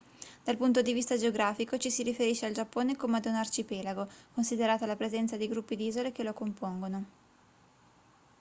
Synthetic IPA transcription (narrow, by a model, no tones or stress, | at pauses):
d̪̥alpunt̪od̪ivist̪ad͡ʒeoɡɾaːfikot͡ʃisiɾifeɾiʃeald͡ʒapːoːnekomead̪unart͡ʃipɛːlaɡokonsid̪eɾaːt̪alapɾezɛnt̪sad̪ejɡɾupːid̪iːzolekelokompoŋɡono